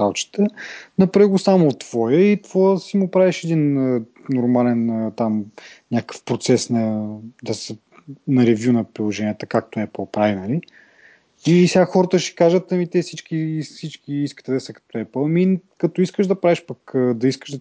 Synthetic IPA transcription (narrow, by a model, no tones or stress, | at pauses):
alˠt͡ʃi̥t̪ənɐpɾaɡʊsamot̪ːv̥ɔjəit̪voəsimʊpɾaviʃɛd̪inə | nʊɾmalɛnət̪amnʲakə̥fpɾot̪sɛsnɐd̪ɐsə | nɐɾɛvʲjunɐpɾilˠoʒɛnʲiət̪əkak̚t̪oɛpəlˠpɾavinɐli | isɛɡaxɔɾət̪əʃi̥kaʒət̪ɐmit̪ɛsit͡ʃk̟isit͡ʃkiiskə̥t̪ɛd̪ɐsəkɐ̥t̪oɛpəlˠmikɐt̪ɔiskəʒd̪ɐpɾaviʃpɐkəd̪ɐiskəʒd̪